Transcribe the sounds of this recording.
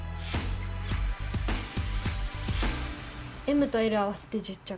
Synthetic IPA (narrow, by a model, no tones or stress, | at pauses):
emɯt̪oeɾɯawase̥t̪ed͡ʑit͡ɕːa